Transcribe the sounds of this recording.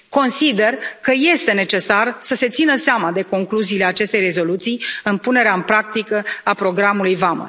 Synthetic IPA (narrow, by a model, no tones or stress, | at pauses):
ko̞nsid̪e̞rkəje̞st̪e̞ne̞t͡ʃe̞sarsəse̞t̪sinəseamad̪e̞ko̞ŋkluziːle̞at͡ʃe̞st̪ejre̞zo̞lut̪sijɨnpune̞ɾeaɨmpɾak̚t̪ikəapɾo̞ɡɾamulujvamə̰